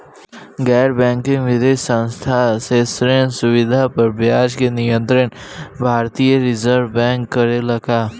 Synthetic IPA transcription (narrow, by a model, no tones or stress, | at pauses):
ɡɛːɾbɛ̃ːŋkĩŋʋɪd̪eːʃsə̃nst̪ʰaseːsɾensʊʋɪd̪ʱapəɾbjaːd͡ʒkenɪjə̃nt̪ɾən | bʱaːɾt̪ijəɾɪzəɾʋbɛ̃ːŋkːəɾelɐkaː